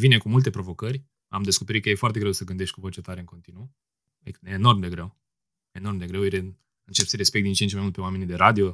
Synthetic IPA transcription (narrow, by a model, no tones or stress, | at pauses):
vinekumult̪e̞pɾo̞vo̞kərʲ | amd̪eskope̞ɾit̪̚kəjefoart̪e̞ɡɾe̞wsəɡɨnd̪e̞ʃt̪̚ʲkuvot͡ʃet̪aɾeɨŋko̞nt̪inu | eeːno̞rmd̪e̞ɡɾe̞w | eno̞rmd̪e̞ɡɾewjee | ɨnt͡ʃe̞psiɾespe̞k̪̚d̪int͡ʃent͡ʃemajmult̪pewamenʲid̪eɾad̪io